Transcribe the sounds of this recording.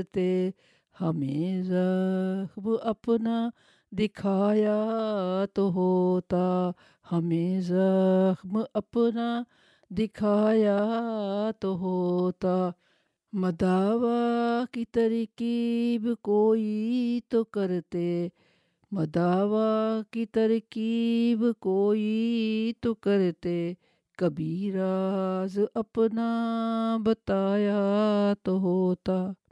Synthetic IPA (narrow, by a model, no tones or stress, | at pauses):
t̪e | hɐmeza | bɪʔɐpna | d̪ɪkʰaːja | t̪oɦot̪a | hɐmezabʔɐpna | d̪ɪkʰaːja | t̪oɦot̪a | mɐd̪aːʋakit̪ɐɾkibɪkoːit̪okɐɾt̪e | mɐd̪aːʋakit̪ɐɾkibɪkoːit̪okəɾt̪e | kɐbiːɾazɐpna | bɐt̪aːjat̪oɦoːt̪aː